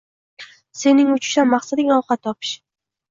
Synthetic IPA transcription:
se̞nɪŋʊt͡ʃʰɪ̥ʃanmaχsad̪ɪɡʲaɒwqɑt̪ʰːɒpɪ̥ʃ

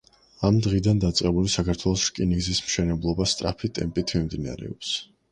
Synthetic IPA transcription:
amd̪ʁid̪and̪at̪sʼqʼɛbulisakʰaɾt̪ʰwɛlˠɔsʃkʼiniɡzismʃɛnɛblˠɔbast̪ʼɾapʰit̪ʼɛmpʼit̪ʰmimd̪ina̰ɾɛ̰ɔps

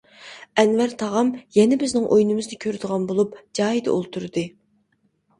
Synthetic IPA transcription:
ɛnvæɾt̪ʰɑʁɑmjɛnɪbɪznɪŋʔojnɨmɨzd̪ɨkʲʰøɾd̪əʁɑnbolˠupd͡ʒɑːjid̪ɛ̰ʔo̰lˠt̪ʰuɾɨd̪ɨ

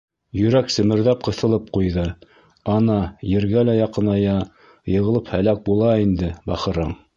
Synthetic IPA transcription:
jɵ̆ɾæksɘ̆mɘ̆ɾðæp̚qɤ̆θɤ̆lˠɤp̚qujðɤ | ɑnɑjɘ̆ɾɡælæjɑqɤ̆nɑjɑ | jɤ̆ʁɤ̆lˠɤphælæk̚bulˠɑind̪ɘbɑχɤ̆ɾɤɴ

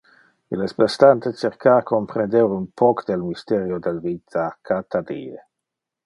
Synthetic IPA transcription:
ilespest̪ant̪et͡ʃeɾkakompɾend̪ewɾunpʰɔkd̪elmist̪eɾjod̪elvit̪ʰakʰat̪ad̪ie

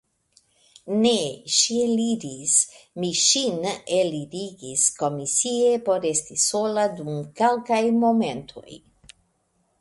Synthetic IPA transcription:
neʃielidismiʃinelid̪iɡiskomisiepo̞ɾest̪isolad̪umkalkajmoment̪ʰo̰j

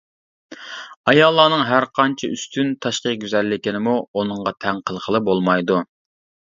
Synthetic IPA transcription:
ɑjɑlˠːɑːnɨŋɦæɾqʰɑnt͡ʃʰiyst̪ʰynt̪ʰɑʃqəɡʲyzɛlːɪkʲɪnɪmuonɨŋʁɑt̪ʰæŋqəlˠqʰəlˠɨbolˠmɑjd̪u

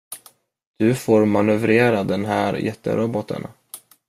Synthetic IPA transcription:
d̪̥ɵfoːɾmanɵvɾeːɾad̪ɛnɦæːɾjɛt̪ːə̰ɾʔɔbɔt̪ə̰n

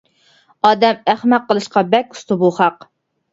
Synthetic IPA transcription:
ɑːd̪ɛmæχmæqːəlˠɨʃqɑbɛkʲu̥st̪ʰɨbuχɑq

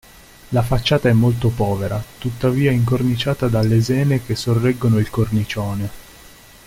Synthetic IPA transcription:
lafat͡ʃːaːt̪aɛmːolt̪opɔːveɾa̰t̪ut̪ːaviːaɛiŋkornit͡ʃaːt̪ad̪alːezɛːnek̟esːorːɛɡːonoilkornit͡ʃɔːne

